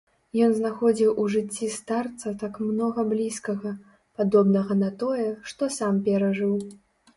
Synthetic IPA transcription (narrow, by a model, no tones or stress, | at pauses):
jɔnznaxɔd͡zʲiwuʐɨt͡sʲːist̪art̪sɐt̪akmnɔɣɐblʲiskɐɣɐ | pad̪ɔbnɐɣɐnɐt̪ɔjɛʂt̪ɔsampʲɛɾɐʐɨw